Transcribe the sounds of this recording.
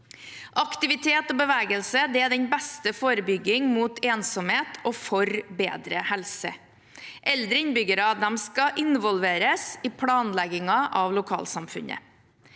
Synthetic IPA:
ʔɑkt̪ɪʋɪt̪ʰeːt̪ɔbəʋɛːɡəlsəd̪ɛæɖɛnbɛst̪əfoːɾəbʏɡɪŋmuːt̪ʰeːnsɔmheːt̪ʰɔfɔɾbḛːd̪ɾəhɛlsə̰ | ʔɛld̪ɾəɪnbʏɡəɾɑd̪ɛmskɑʔɪnʋɔlʋeːɾəsɪpʰlɑːnlɛɡɪŋɑʔɑʋlʊkʰɑ̰ːlsɑmfʉ̰nə̰

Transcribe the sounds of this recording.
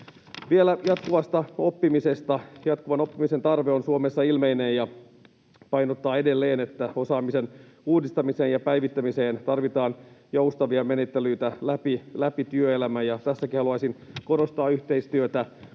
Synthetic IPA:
ʋie̞læjɑt̪kuʋɑst̪ɑo̞pːimise̞st̪ɑjɑt̪kuʋɑno̞pːimise̞nt̪ɑrʋeonsuomesːɑilmeinejjɑ | pɑjnot̪ːɑːe̞de̞lːeːne̞t̪ːæo̞sɑːmisen | uːdist̪ɑmise̞ːnjɑpæjʋit̪ːæmise̞ːnt̪ɑrʋit̪ɑːnjowst̪ɑʋiɑmenet̪ːelyit̪ælæpilæpit̪yøelæmæjɑt̪æsːækihɑluɑsinko̞ɾost̪ɑːyçt̪e̞ist̪yøt̪æ

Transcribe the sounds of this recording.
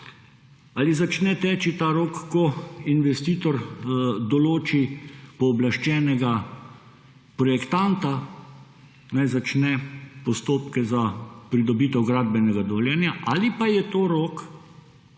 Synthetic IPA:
alizat͡ʃnɛt̪ɛːt͡ʃit̪aɾoːkːɔinʋɛst̪iːt̪ɔɾd̪ɔloːt͡ʃipɔːblaʃt͡ʃɛːnɛɡa | pɾɔjɛkt̪ant̪a | najzat͡ʃnɛpɔst̪oːpkɛzapɾid̪ɔbiːt̪ɛwɡɾaːd̪̚bɛnɛɡad̪ɔljɛnjaʔalipajɛt̪oːɾoːk

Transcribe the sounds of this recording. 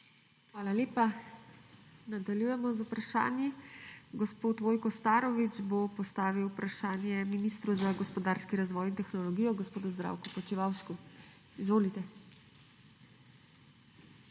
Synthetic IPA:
xʋaːlaleːpa | nad̪aljujɛmɔzupɾaʃa̰ːnjiɡɔspoːt̪ʋoːjkɔst̪aːɾɔʋid͡ʒbopɔst̪aːʋiwpɾaʃaːnjɛminist̪ɾuzaɡɔspɔd̪aːɾskiɾazʋɔːjint̪ɛxnɔlɔɡijɔɡɔspoːd̪uzd̪ɾa̰ːwkɔpɔt͡ʃiʋawʃku | izʋoːlit̪ɛ

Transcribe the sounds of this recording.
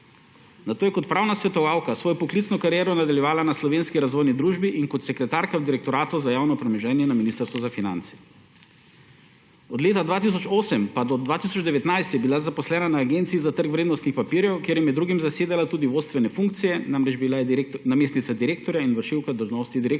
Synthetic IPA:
nat̪oːjɛkɔt̪̚pɾaːwnasʋɛt̪ɔʋaːwkasʋoːjɔpɔklit̪snɔkaɾjɛːɾɔnad̪aljɛʋaːlanaslɔʋenskiɾazʋɔjnid̪ɾuːʒbiʔiŋkɔt̪sɛkɾɛt̪aːɾkawd̪iɾɛk̚t̪ɔɾaːt̪ɔzajaːwnɔpɾɛmɛʒɛːnjɛnaminiːst̪əɾst̪ʋɔzafina̰nt̪sɛ̥ | ɔd̪leːt̪ad̪ʋaːt̪is̬ɔt͡ʃoːsɛmpad̪ɔd̪vʋaːt̪is̬ɔd͡ʒd̪ɛʋɛt̪najst̪jɛbilazapɔslɛːnanaːɡent̪siizat̪əɾkʋɾeːd̪nɔst̪nixpapiɾjɛwkjeɾjɛmjɛd̪ːɾuːɡimzaseːd̪alat̪uːd̪iʋoːt̪st̪ʋɛnɛfuŋk̚t̪sijɛnamɾɛd͡ʒbilajɛnameːst̪nit̪sad̪iɾeːk̚t̪ɔɾjainʋəɾʃiwkad̪əlʒnɔst̪id̪iɾek

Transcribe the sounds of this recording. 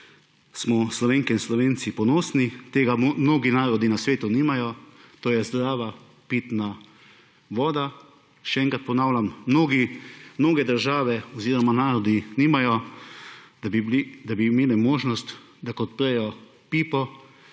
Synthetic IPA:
smɔslɔʋeːŋkɛinslɔʋeːnt̪sipɔnoːsnit̪eːɡamnoːɡinaːɾɔd̪inasʋeːt̪uniːmajɔt̪oːjɛzd̪ɾaːʋa | piːt̪na | ʋɔːd̪a | ʃɛɛ̃ŋkat̪̚pɔnaːwlʲamːnoːɡimnoːɡɛd̪əɾʒaːʋɛɔziːɾɔmanaːɾɔd̪iniːmajɔ | ibd̪abiːmeːlɛmoːʒnɔst̪ | d̪akɔt̪pɾɛjɔ | piːpɔ

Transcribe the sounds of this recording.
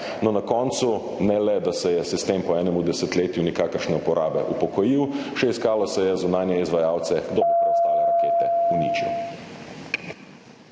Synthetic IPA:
nɔnakɔnt̪su | nɛlɛd̪asɛjɛsist̪empɔɛːnɛmud̪ɛsɛt̪leːt̪junɛkaːkəɾʃnɛupɔɾʔaːbɛ̰ʔupɔkɔjiwʃɛiskaːlɔsɛjɛzunaːnjɛizʋajaːwt̪sɛd̪ɔbɛst̪alaaet̪ɛunit͡ʃḭw

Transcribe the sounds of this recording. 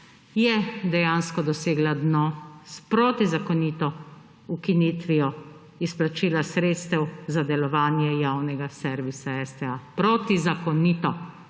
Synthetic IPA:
jɛd̪ɛjanskɔd̪ɔseːɡlad̪nɔːspɾoːt̪izakɔnit̪ɔ | ukinit̪ʋijɔ | isplat͡ʃiːlasɾeːt̪st̪ɛwzad̪ɛlɔʋaːnjɛjaːwnɛɡasɛɾʋisaɛst̪ɛapɾot̪izakɔniːt̪ɔ

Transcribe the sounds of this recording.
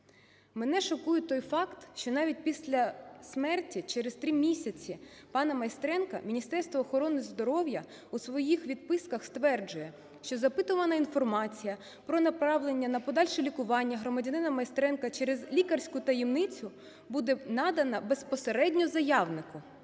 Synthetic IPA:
menɛʃɔkujʊt̪ɔjfɑkt̪ʃt͡ʃɔnɑʋʲit̚ʲpʲisʲlʲɐsmɛrtʲit͡ʃɛɾest̪ɾimʲisʲɐt͡sʲipɑnɐmɐjst̪ɾɛnkɐ̰mʲinʲist̪ɛrst̪ʋɔːxɔɾɔnɪzd̪ɔɾɔwjɐ | usʋɔjixʋʲid̪̚pɪskɐxst̪ʋɛrd͡ʒʊjɛ | ʃt͡ʃɔzɐpɪt̪ʊʋɐnɐinfɔrmɑt͡sʲijɐ | pɾɔnɐpɾɑʋlˠenʲːɐnɐpɔd̪ɑlʲʃɛlʲikʊʋɑnʲːɐɦɾɔmɐdʲɐnɪnɐmɐjst̪ɾɛnkɐt͡ʃɛɾɛzlʲikɐrsʲkʊt̪ɐjɛmnɪt͡sʲʊ | bud̪ɛnɑd̪ɐnɐbespɔseɾɛdʲnʲɔzɐjɑwnɪkʊ

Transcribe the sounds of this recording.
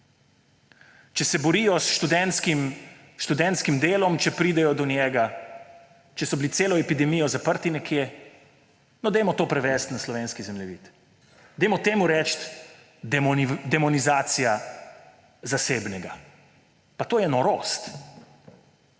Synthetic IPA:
t͡ʃɛsɛbɔɾijɔsʃt̪ud̪ɛnskim | ʃt̪ud̪ɛnt̪skimd̪eːlɔmt͡ʃɛpɾiːd̪ɛjɔd̪ɔnjɛːɡa | t͡ʃɛsɔbiliseːlɔɛpid̪ɛmijɔzapəɾt̪inɛkʰje | nɔd̪ɛjmɔt̪oːpɾɛʋɛst̪naslɔʋeːnskizɛmlɛʋḭt̪ | d̪ɛjmɔt̪eːmuɾɛt͡ʃt̪ | d̪ɛmɔnizaːt̪sija | zaseːbnɛɡa | pat̪oːjɛnɔɾost̪

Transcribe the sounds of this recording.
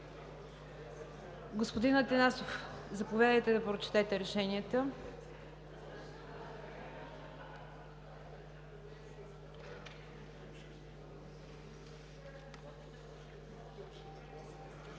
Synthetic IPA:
ɡospod̪inɐt̪ɛnasof | zɐpovʲjad̪əjt̪ɛd̪ɐpɾot͡ʃɛ̥t̪ɛt̪ɛɾɛʃɛniət̪ə

